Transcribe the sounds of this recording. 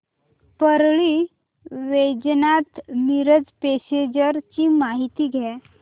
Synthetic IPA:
pəɾɭiː | ʋed͡ʑnat̪miɾəd͡zpesed͡ʑəɾt͡ɕiːmaɦit̪iːɡʱɛ

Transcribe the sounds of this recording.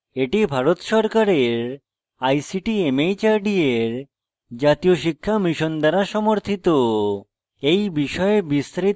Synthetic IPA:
eʈibʱaɾot̪ʃɔɾkaɾeɾ | ajsiʈiemejt͡ɕaɾɖieɾ | d͡ʑat̪ijoʃikʰːamiʃond̪aɾaʃɔmoɾt̪ʰit̪o | ejbiʃɔebist̪ɾi

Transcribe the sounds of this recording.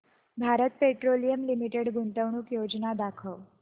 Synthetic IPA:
bʱaɾət̪̚peʈɾolijəmlimiʈeɽɡuɳʈ̪əʋɳ̃uːkjod͡ʑnad̪akʰəʋ

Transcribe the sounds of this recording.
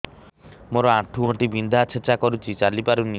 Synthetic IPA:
moɾɔãʈʰːuɦõʈibind̪ʱat͡ʃʰet͡ʃakɔɾut͡ʃʰit͡ʃalipaɾuni

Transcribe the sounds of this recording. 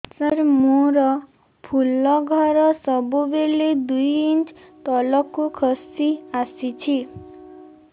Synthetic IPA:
sʌɾmoɾɔ | pʰulːɔɡʱɔɾɔsɔbubeled̪ujint͡ʃ | t̪ɔlɔkukʰɔsiasit͡ʃʰi

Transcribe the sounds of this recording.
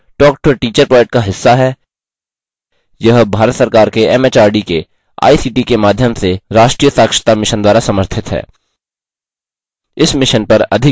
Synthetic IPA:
ʈɔːk̚ʈoʈiːt͡ʃəɾpɾɔːd͡ʒek̚ʈ̚kaɦɪsːaɦɛː | jɐɦbʱaːɾət̪sɐɾkaːɾkeɛmeːt͡ʃaːɾɖike | a̰ːisiːʈikemaːd̪ʱjəmseɾaːʃʈɾiːjəsaːkʃə̥t̪amɪʃənd̪waːɾasɐməɾt̪ʰɪt̪ɦɛ̰ː | ɪsmɪʃənpɐɾɐ̰d̪ʱɪ

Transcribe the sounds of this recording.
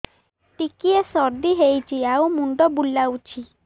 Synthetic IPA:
ʈikiesɔɾd̪iɦejt͡ʃʰiawmuɳɖɔbulːawt͡ʃʰi

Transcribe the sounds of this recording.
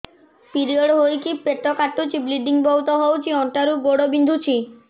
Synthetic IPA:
piɾioɽɦojkipeʈːɔkaʈːut͡ʃibliɖiŋbɔut̪ɔɦowt͡ʃʰiɔɳʈaɾuboɽobind̪ʱut͡ɕʰi

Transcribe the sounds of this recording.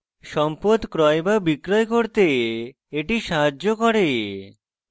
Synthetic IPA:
ʃɔmpod̪kɾɔebabikɾɔjkoɾt̪e | eʈiʃaɦad͡ʑːokɔɾe

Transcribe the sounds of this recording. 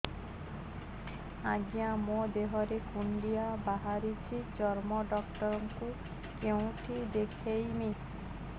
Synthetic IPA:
aɡijamod̪eɦɔɾekuɳɖijabaɦaɾit͡ʃʰid͡ʒɔɾmɔɖɔkʈɔɾɔŋku | keũʈʰid̪ekʰejmi

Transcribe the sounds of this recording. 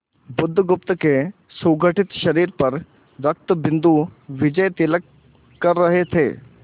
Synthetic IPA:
bʊd̪ʱːɡʊp̚t̪əke | suɡʱəʈɪt̪ʃɐɾiːɾpɐɾ | ɾɐk̚t̪əbɪnd̪uʋɪd͡ʒəjt̪ɪlək | kɐɾːəɦet̪ʰḛː

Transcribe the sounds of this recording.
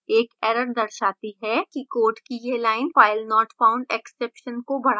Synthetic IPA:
eːkɛːɾəɾd̪ɐɾʃaːt̪iɦɛkikoːɾʈkijelaːɪnʋaːɪlnɔːʈfãːʊ̃ɳɖɛksɛːpʃənkobɐɽ̤a

